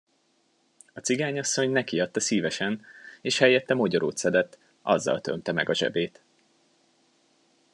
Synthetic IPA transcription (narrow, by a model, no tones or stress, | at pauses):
ɒt͡siɡaːɲɒsːo̞ɲnɛkiɒt̪ːɒsiːvɛʃɛneːʃhɛjːɛt̪ːɛmoɟoɾoːt̪sɛd̪ɛt̪ː | ʔɒ̰zːɒ̰lt̪ø̞̰mt̪ɛmɛɡɒʒɛ̰beːt̪